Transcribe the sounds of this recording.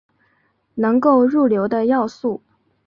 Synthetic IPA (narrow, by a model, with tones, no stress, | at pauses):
nɤ˧˥ŋko˥˧ʊɻu˥˩ljo˧˥ʊd̪ə˧jɑ˥˧ʊsu˥˩